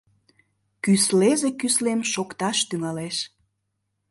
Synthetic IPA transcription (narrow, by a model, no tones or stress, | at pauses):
kyslezekyslemʃokt̪ɑʃt̪yŋɑleʃ